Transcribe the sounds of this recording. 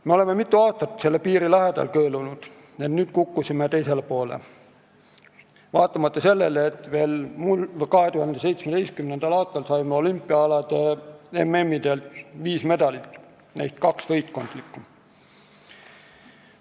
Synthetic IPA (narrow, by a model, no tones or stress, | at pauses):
me̞o̞le̞me̞mit̪ˑːuɑːst̪ɑt̪ːˑse̞lːepiːɾilæɦed̪̥ɑ̰lkøːlunud̪̥ | ennyːd̪̥kukːusimet̪e̞jse̞lepo̞ːlḛ | vɑːt̪ːˑɑmɑt̪ːˑɑse̞lːe̞leet̪ːˑve̞ːlmulkɑɦe̞t̪uhɑnd̪̥ese̞jt̪smed̪̥ejskymnend̪̥ɑlɑːst̪ɑlsɑjmeo̞lympːˑiɑɑlɑd̪̥eeme̞mːid̪e̞lt̪viːsme̞d̪ɑlit̪ːˑ | næjt̪kɑksvɤjt̪ko̞nd̪̥likːˑu